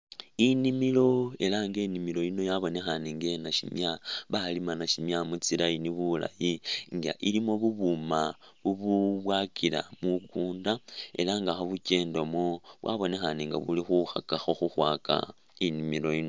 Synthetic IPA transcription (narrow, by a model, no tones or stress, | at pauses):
inimilo̞e̞laŋɡe̞nimilo̞ino̞jaβo̞ne̞xaneŋɡe̞naʃḭmjaβalimanaʃimjamut͡silajiniβula̰jiŋɡa̰ʔilimo̞βuβumaβuβuβwakila̰mukuːndae̞̰laŋɡaxoβuce̞ːndo̞moβwaβo̞ne̞xaneŋɡa̰βulixuxakaxoxuxwaːka̰ | inimilo̞ino̞